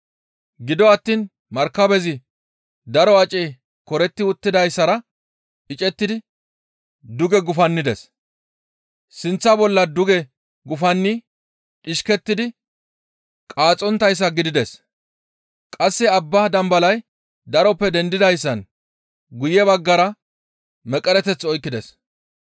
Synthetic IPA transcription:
ɡɪd̪ɔɐt̪ːiːn | mɐɾkːɐbɛzɪ | d̪ɐɾɔɐt͡ʃʼɛj | kɔɾɛt̪ːɪʊt̪ːɪd̪ɐjsːɐɾɐ | ɪt͡ʃʼɛt̪ːɪd̪ɪ | d̪ʊɡɛɡʊfɐnːɪd̪ɛs | sɪnt͡sːɐbɔlːɐd̪ʊɡɛ | ɡʊfɐnːɪ | t͡ʃʼɪʃkɛt̪ːɪd̪ɪ | kʼaːt͡sʼɔnt̪ːɐjs̬ːɐɡɪd̪ɪd̪ɛs | kʼɐsːɪɐbːaːd̪ɐmbɐlɐj | d̪ɐɾɔpːɛd̪ɛnd̪ɪd̪ɐjsːɐn | ɡʊjɛbɐɡːɐɾɐ | mɛkʼːɛɾɛt̪ɛt͡sːɔjkːɪd̪ɛs

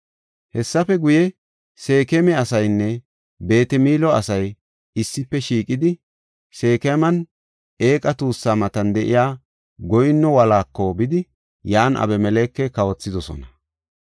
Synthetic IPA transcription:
hɛsːɐfɛɡʊjɛ | se̞ːkɛmɛɐsɐjnːɛ | be̞ːt̪ɛmiːlɔɐsɐj | ɪsːɪpːɛʃiːkʼɪd̪ɪ | se̞ːkɛmɐn | e̞ːkʼɐt̪uːsːamɐt̪ɐnd̪ɛʔɪ̰jaː | ɡɔjnːɔwɐlaːkːɔbɪd̪ɪ | jaːnʔɐ̰bɛmɛleːkːɛkɐwɔt͡sːɪd̪ɔsɔ̰nɐ

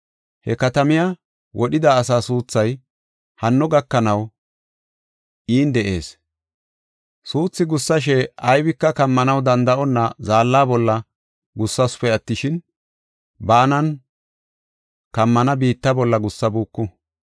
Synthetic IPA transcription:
hɛkɐt̪ɐmɪja | wʔɔɗɪd̪aːs̬aːsuːt͡sːɐj | hɐnːɔɡɐkːɐnɐw | ʔiːnd̪ɛʔe̞̰ːs | suːt͡sːɪɡʊsːɐʃ̬ɛʔɐjbɪkːɐkɐmːɐnɐwd̪ɐnd̪ɐʔɔnːɐzaːlːaːbɔlːɐ | ɡʊsːɐsʊ̥pɛɐt̪ːɪʃɪn | baːnɐn | kɐmːɐnɐbiːt̪ːɐbɔlːɐɡʊsːɐbuːkːʊ

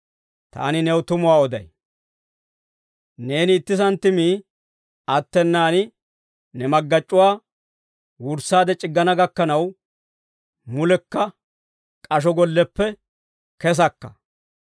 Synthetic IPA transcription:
t̪a̰ːnɪnɛwt̪ʊmʊwaːɔd̪ɐ̰j | ne̞ːnɪːt̪ːɪsɐnt̪ːɪmiː | ɐt̪ːɛnːaːnɪ | nɛmɐɡːɐt͡ʃʼːʊwaː | wʊɾsːaːd̪ɛt͡ʃʼɪɡːɐnɐɡɐkːɐnɐw | mʊlɛkːɐ | kʼɐʃ̬ɔɡɔlːɛpːɛ | kɛs̬ɐkːɐ̥

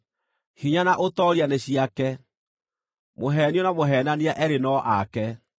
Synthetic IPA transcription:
hiɲanaʔotɔɾianeɕiakɛ | moɦɛːniɔnamoɦɛːnaniaʔɛɾenɔʔakɛ

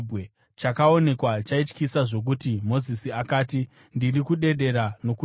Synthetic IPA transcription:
be | t͡ʃakao̞ne̞kwat͡ʃait͡ʃkisaʐo̞k̬utimo̞zisiakaːti | ndirikuɗe̞ɗe̞ɾano̞ku

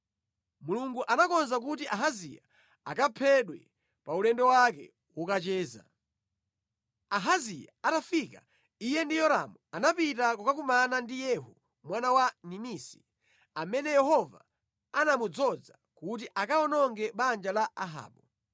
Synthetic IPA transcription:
muluŋɡuʔanakɔnzak̬ut̬iʔaɦazḭja̰ | akapʰɛɗwɛ̰ | paulɛndɔwakɛ̰ | wɔkat͡ʃɛːza̰ | aɦazijaatafika | ijɛndijɔɾa̰muanapitakɔkakumanandijɛɦu | mwanawaninisi̥ | amɛnɛjɛɦɔva | anamud͡zɔd͡za | kut̬iʔakaɔnɔŋɡɛɓand͡ʒalaʔaɦa̰ːɓɔ

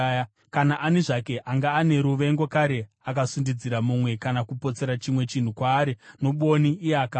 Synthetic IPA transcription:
a | kanaʔaneʐake̞ʔaŋɡaːne̞ɾuʋe̞ŋɡo̞kaɾe̞ | akasundid͡ziɾamumwe̞kanakupo̞t͡se̞ɾat͡ʃimwe̞t͡ʃin̤ukwaːɾeno̞ɓo̞niːjeaka

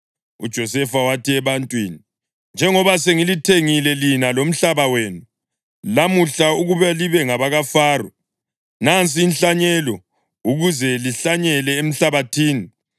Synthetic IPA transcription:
ṵd̥ʒ̥ʱɔsɛfawatʰiɛβantʼwiːni | nd͡ʒʱɛŋɔβaseŋilitʰeŋilɛlinalom̩ɬaβawenu | lamuɬauɣuβaliβɛŋaβaɣafaːrɔ | nant͡sʼiːnɬaɲɛlɔ | uɣuzɛliɬaɲɛlɛem̩ɬaβatʰiːni

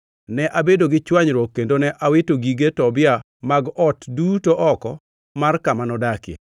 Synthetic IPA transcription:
nɛʔabedoɡɪt͡ʃwaɲɾwokːendonɛʔawɪtoɡiɡetɔbɪa | maɡɔtdutoʔɔkɔ | markamanɔdakḛ

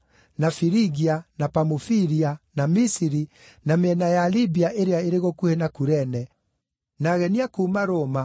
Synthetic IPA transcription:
nafiɾiɣianapamufiɾianamisiɾi | nameɛnajalibiaʔeɾeaeɾeɣokuhenakuɾɛnɛ | naɣɛniakuːmaɾoːma

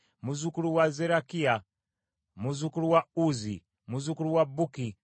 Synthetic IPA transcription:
muzukuluwazɛɾakia | muzukuɾuwauzi | muzukuɾuwabuki

